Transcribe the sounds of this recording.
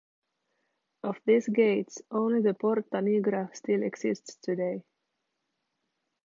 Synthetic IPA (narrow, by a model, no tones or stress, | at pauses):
ʔɔfðɪsɡeɪtsõʊ̃nliðəpʰɔɹt̪aniɡɾastɪlɛksɪst̪stʰɨdeɪ